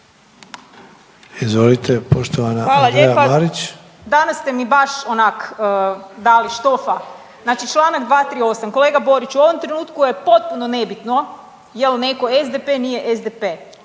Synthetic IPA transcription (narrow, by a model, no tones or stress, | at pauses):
izʋo̞lit̪ʰepoʃt̪oʋanaʋaːlˠaʎepaaaɾit͡ɕ | d̪anasːt̪e̞mibaʃonakəːd̪aliʃt̪ofa | znaːt͡ʃit͡ʃlˠaːnaɡd̪ʋaːt̪ɾio̞samko̞leːɡabo̞ɾit͡ʃuo̞ʋomt̪ɾenuːt̪kujepo̞t̪̚punone̞bit̪no̞ | jelneko̞ezd̪epenije̞ʔezd̪epe